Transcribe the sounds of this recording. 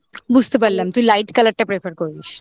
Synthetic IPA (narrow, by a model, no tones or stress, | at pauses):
bust̪bəlːəmt̪uilaiʈkələʈjapɾefəɾkoiɕ